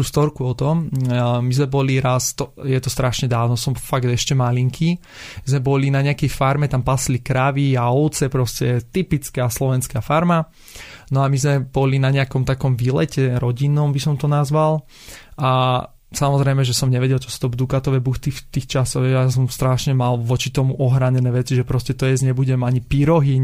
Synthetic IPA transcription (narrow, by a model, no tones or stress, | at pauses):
t̪ust̪ɔɾkuɔt̪ɔmmizmɛbɔliɾast̪ɔjɛt̪ɔst̪ɾaʃɲɛd̪aːʊnɔsɔmfaɡd̪ɛʃcɛmaliŋkʰi | zmɛbɔlinaɲɛakɛjfaɾmɛt̪ampaslikɾaʋiaɔʊt͡sɛpɾɔscɛt̪ipit͡skɛaslɔʋɛnskaːfaɾma | nɔamizmɛb̥ɔlinaɲɛakɔmt̪akɔmʋilɛcɛɾɔɟinːɔmbisɔmt̪ɔnazʋal | ʔa | samɔzɾɛɪmɛʒɛsɔmɲɛʋɛɟɛlt͡ʃɔsu̥t̪ɔbd̪ukat̪ɔʋɛbuxt̪it̪iːxt͡ʃasɔɣɦɛjjas̬ɔmst̪ɾaʃɲɛmalʋɔt͡ʃit̪ɔmuʔɔɦɾaɲɛnɛːʋɛt͡siʒɛpɾɔscɛt̪ɔjɛzɲɛbuɟɛmaɲipiɾɔɦiɲ